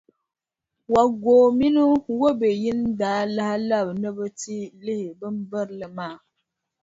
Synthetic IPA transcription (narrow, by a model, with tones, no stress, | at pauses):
wa˨ɡoː˨mi˦nu˦wo˦be˨ji˦ndaː˨˦la˦hla˦˨bnə˦bə˦ti˦li˦hi˨bɨ˦m˦bə˦ɾlə˨maː˦˨